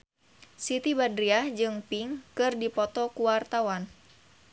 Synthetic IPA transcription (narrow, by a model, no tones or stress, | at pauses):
sit̪ibadɾiahd͡ʒɨŋpiŋkɨrdipɔt̪ɔkuwart̪awan